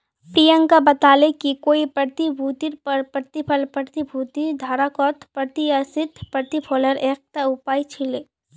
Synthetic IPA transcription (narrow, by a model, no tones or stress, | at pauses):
pɾijə̃ŋkabɐt̪aːlekikoːipɾɐt̪ibʱuːt̪iɾpɐɾpɾət̪ipʰəlpət̪ibʱuːt̪id̪ʱaːɾakɔːt̪pɾət̪iasɪt̪pɾət̪ipʰoːləɾeːk̚t̪aʊpaːit͡ʃʰɪleː